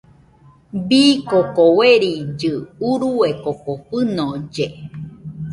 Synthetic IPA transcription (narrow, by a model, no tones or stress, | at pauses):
biːkokoweɾid͡ʒɨuɾuekokopɨnod͡ʒe